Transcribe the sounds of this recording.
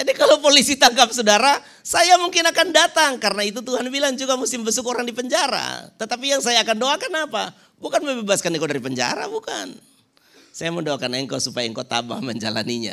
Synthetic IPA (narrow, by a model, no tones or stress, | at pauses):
d͡ʒadikalowpolisit̪aŋkap̚sodaɾa | sajamuŋkɪnakandat̪aŋkaɾənait̪ut̪uhanbilaŋd͡ʒuɡamusɪmbəsʊkoɾaŋdipəɲd͡ʒaɾa̰t̪ət̪ap̬ijaŋsajaːkandoakanapa̰ | bukanməbebaskaniŋkodaɾipəɲd͡ʒa̰ɾa̰buka̰n | sajaməndoakanəŋkosupajaŋkot̪a̰ba̰hməɲd͡ʒa̰la̰niɲa̰